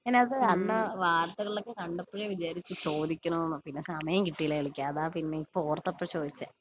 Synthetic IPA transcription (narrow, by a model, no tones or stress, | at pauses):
pineɐðɨɐnːɨʋaːrt̪ːɐɣɐɭilokːekɐɳɖɐpːiɣeʋid͡ʑaːɾit͡ɕːɨt͡ɕo̞ːd̪ʱikʲːunɐnːupinːe̞sɐmɐjɐmkiʈːijɐleɐɭikʲːaːɐðaːpinːeipːoːrɐt̪ːɐpːrɐt͡ɕo̞ːd̪it͡ɕːa̰